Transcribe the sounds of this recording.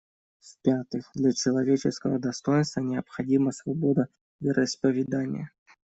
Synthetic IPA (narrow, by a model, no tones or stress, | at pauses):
spʲat̪ɨxd̪lʲɐt͡ɕɪlˠɐvʲet͡ɕɪskəvəd̪ɐst̪o̞jɪnst̪vənʲɪɐpxɐdʲiməsvɐbod̪ə | vʲɪɾʔəɪspəvʲɪd̪anʲɪ̰jə